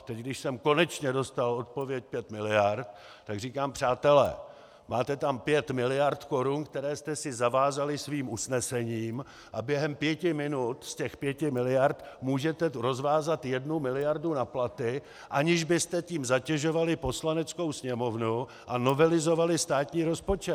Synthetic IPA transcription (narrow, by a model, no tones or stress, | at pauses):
t̪ɛcɡdɪʃsɛmko̞nɛt͡ʃɲɛdo̞st̪alo̞t̪̚po̞vjɛc̚pjɛt̪mɪlɪjaɾt̪ | t̪ːaɡriːkaːmpr̝̥aːt̪ɛlɛ̰ː | maːt̪ɛt̪ampjɛt̪mɪlɪjaɾt̪ko̞ɾunkt̪ɛɾɛːst̪ɛsɪzavaːzalɪsviːmʔusnɛsɛɲiːm | ʔabjɛɦɛmpjɛcɪmɪnut̪scɛxpjɛcɪmɪlɪjaɾt̪muːʒɛt̪ɛɾo̞zvaːzat̪jɛdnumɪlɪjaɾdunaplat̪ɪ | ʔaɲɪʒbɪst̪ɛciːmzacɛʒo̞valɪpo̞slanɛt͡sko̞wsɲɛmo̞vnu | ʔano̞vɛlɪzo̞valɪst̪aːt̪ɲiːɾo̞spo̞t͡ʃɛ